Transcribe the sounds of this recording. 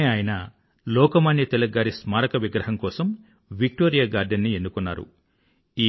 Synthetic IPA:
eaːjɐnɐ | lɔːkɐmaɳjɐt̪ɛlɐɡːaːɾismaːɾɐkɐʋiɡɾɐɦɐŋkɔːsɐm | ʋik̚ʈoːɾijaːɡaːɾɖɐnːienːukɔnːa̰ːɾṵ | iː

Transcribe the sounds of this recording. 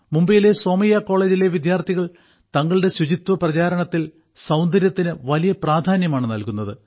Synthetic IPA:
mumbɐjile̞so̞ːmɐjaːkːo̞ːɭe̞ːd͡ʑileʋid̪jaːrt̪ʰiɣɐɭ | t̪ɐŋːɐɭɨɽe̞ɕud͡ʑit̪wɐprɐt͡ɕaːɾɐɳɐt̪ːil | sɐwnd̪ɐɾjɐt̪ːinɨʋɐlijɐpraːd̪ʱaːnjɐmaːɳɨnɐlkunːɐðɨ

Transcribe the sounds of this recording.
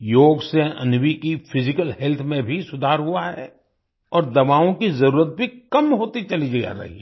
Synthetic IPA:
joːɡseɐ̰̃nwikifʰɪzɪkəlhɛlt̪ʰmẽbʱisʊd̪ʱaːɾɦʊaɦɛː | ɔːɾd̪ɐbaːõkizɐɾuːɾət̪̚bʱikɐmɦoːt̪it͡ʃɐlid͡ʒaa̰ɾɐ̰ɦḭɛ

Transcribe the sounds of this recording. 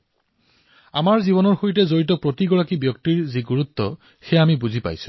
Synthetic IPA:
a̰maɹzibɔnɔɹxoɹitɛzoɹit̬ɔpɹotiɡɔɹakibjɔk̚tiɹziɡuɹut̪ːɔ | xɛjamibuzʱipa̰jsʊ̥̃

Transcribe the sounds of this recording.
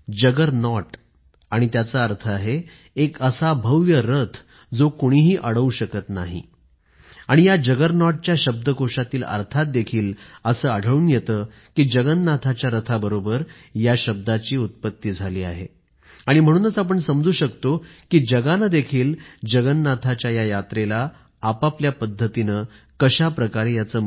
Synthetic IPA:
d͡ʑəɡəɾnɔʈ | aɽ̃it̪jat͡saəɾt̪ʰəaɦe | ekəsabʱəʋjəɾət̪ʰ | d͡zokoɽ̃iːɦiːʔəɽəuɕəkət̪naɦḭ | aɽ̃ijad͡ʑəɡəɾnɔʈ̚t͡ɕjaɕəb̚d̪əkoʂat̪iːlə̰ɾt̪ʰat̪̚d̪ekʰiːləsəːəɽʱəɭuːnjet̪əː | kiːd͡ʑəɡənːat̪ʰat͡ɕjaɾət̪ʰabəɾobəɾ | jaɕəb̚d̪at͡ɕiːut̪̚pət̪ːiːd͡zʱaliːa̰ɦḛ | aɽ̃im̤əɽ̃uːnəsap̬əɳsəmd͡zuːɕəkt̪okiːd͡ʑəɡanəd̪ekʰiːld͡ʑəɡənːat̪ʰat͡ɕjajajat̪ɾelaː | papljapəd̪ʱːət̪inə | kəɕapɾəkaɾejat͡səː

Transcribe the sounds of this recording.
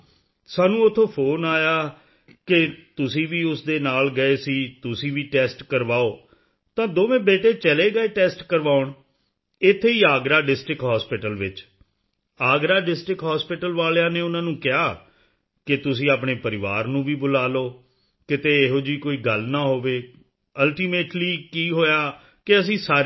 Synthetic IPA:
saːnũːʊt̪ʰːoːpʰoːnaːjaː | kɪt̪ʊsĩːʋiːʊsd̪eːnaːlɡəeːsiːt̪ʊsĩːʋiːʈɛːsʈkəɾʋaːoː | t̪ãːd̪oːʋẽːbeːʈeːt͡ʃəleːɡəeːʈɛːsʈkəɾʋaːʊɳ | ɪt̪ʰːeːiːaːɡɾaːɖɪsʈɾɪkɦaːspɪʈəlʋɪt͡ʃ | aːɡɾaːɖɪsʈɾɪkɦaːspɪʈəlʋaːlejãːneːʊnãːnũːkɪɦaː | kɪt̪ʊsĩːaːpɳeːpəɾɪʋaːɾnũːʋiːbʊlaːloː | kɪt̪eːɦoːd͡ʒiːkoːiːɡəlnãːɦoːʋeː | əlʈiːmeːʈliːkiːɦoːjaː | kɪəs̬ĩːsaː

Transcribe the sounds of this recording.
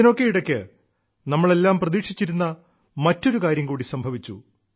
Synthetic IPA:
ino̞kːeiɽɐkʲːɨ | nɐmːɐɭe̞lːaːmprɐðiːʂit͡ɕːiɾunːɐ | mɐtːo̞ɾukaːɾjɐmkuːɽisɐmbʱɐʋit͡ɕːṵ

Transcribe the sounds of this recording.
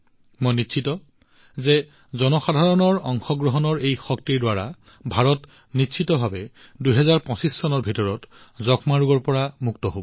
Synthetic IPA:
mojnitːʃʰitɔ | zɛ | zɔnɔxadʱaɹɔnɔɹɔŋxɔɡɹɔɦɔnɔɹejxɔktiɹdwaɹa̰ | bʱaɹɔt | nitʃʰitɔbʱabɛ | duɦɛzaɹpɔ̃sisːɔnɔɹbʱitɔɹɔtzɔkʰmaɹuɡɔɹpɔɹamuktɔɦob

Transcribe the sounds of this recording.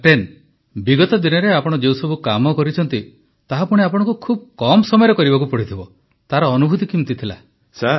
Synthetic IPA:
ʈen | biɡɔt̪ɔd̪inɔɾeapɔɽ̃ɔd͡ʒewsɔbʱukamɔkɔɾit͡ʃʰɔnt̪i | t̪aɦapuɽ̃eapɔɽ̃ɔ̃ŋkukʰub̚kɔmɔsɔmɔjɾɔkɔɾibak̬upɔɽit̪ʰibɔ | t̪aɾɔːnubʱut̪ikimt̪it̪ʰila̰ | sa

